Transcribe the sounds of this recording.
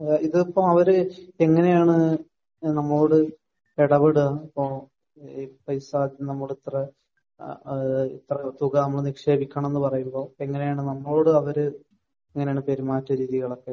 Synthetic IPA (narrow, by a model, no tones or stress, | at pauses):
iðɨopːɐmɐʋɐɾɨeŋːɐne̞jaːɳɨ | nɐmːɐɭo̞ːɽɨ | peɽɐʋeɽuaipːo | pɐjsaːd̪nɐmːɐɭit̪rɐ | it̪rɐt̪uɣɐnɐmːɐɭnikʂe̞ːbikʲːaɳɐme̞nːɨpɐrɐjumbo̞ːeŋːɐne̞jaːɳɨnɐmːɐɭo̞ːɽɨɐʋɐɾɨ | eŋːɐnejaːɳɨpeɾumaːtːɐɾiːðiɣɐɭokːe̞